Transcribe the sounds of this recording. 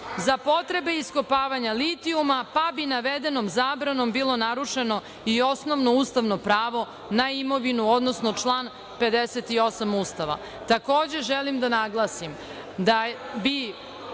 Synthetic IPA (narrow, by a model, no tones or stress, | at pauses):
zapo̞t̪ɾe̞be̞iskopaːʋaɲalit̪iumapabinaʋed̪e̞no̞mzaːbɾano̞mbilo̞naɾuʂe̞no̞ | io̞sno̞ʋno̞uːst̪aʋno̞pɾaːʋo̞ | naimo̞ʋinuod̪no̞snot͡ʂlˠaːn | pe̞d̪eset̪io̞samuːst̪aʋa̰ | t̪ako̞ːd͡ʑe̞ʒelimd̪anaɡlˠaːsim | d̪abi